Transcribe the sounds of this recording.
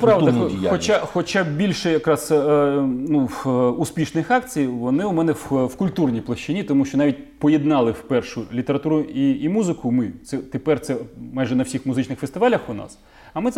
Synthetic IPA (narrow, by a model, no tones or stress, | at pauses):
pɾɑʋd̪ɐxɔt͡ʃaxɔt͡ʃabʲilʲʃɛjɐkɾɑs | nuuspʲiʃnɪxɑkt͡sʲijʋɔnɪʊmɛnɛwwkʊlʲt̪urnʲijplˠɐʃt͡ʃɪnʲit̪ɔmuʃt͡ʃɔnɑʋʲit̚ʲpɔjɛd̪nɑlˠɪwpɛrʃʊlʲit̪eɾɐt̪uɾʊiːmuzɪkʊmɪt̪sɛt̪epɛrt̪sɛmɑjʒɛnɐwfsʲixmʊzɪt͡ʃnɪxfest̪ɪʋɑlʲɐxʊnɑ̰s | ɐmɪ